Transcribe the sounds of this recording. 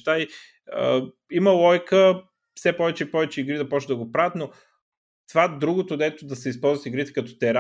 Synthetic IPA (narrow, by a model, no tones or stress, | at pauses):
t̪ai | ə | imɐlˠɔjkə | fsɛpɔvɛt͡ʃɛipɔvɛt͡ʃɛiɡɾid̪ɐpɔt͡ʃəd̪ɐɡopɾavət̪no | t̪ovad̪ɾuɡot̪od̪ɛt̪od̪ɐsɛispɔlˠzvət̪iɡɾit̪ɛ̥kɐt̪ɔ̥t̪ɛɾa